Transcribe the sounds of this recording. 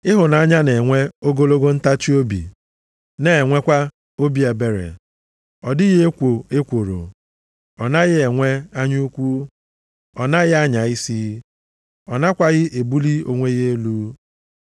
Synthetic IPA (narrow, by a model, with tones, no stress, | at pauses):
ɪ˦ɦʊ˨na˨a˦ɲa˦ne˨ŋʷe˦o˦ɡo˦lo˦ɡo˦n̩˦ta˦t͡ʃi˦o˦bḭ˨ | ne˦e˨ŋʷe˦kʷa˦ | o˦bi˨˦e˨be˨ɾḛ˨ | ɔ˨dɪ˦ɣe˦kʷo˨e˦kʷo˨ɾo̰˨ | ɔ˨na˦ɣɪ˦e˨ŋʷe˦a˦ɲu˦u˦kʷu˦ | ɔ˨na˦ɣɪ˦a˦ɲa˨i˦si˦ | ɔ˨na˦kʷa˦ɣɪ˦ʔe˨bu˦li˦o̰˨ŋʷe˦ɣe˦e˦luː˦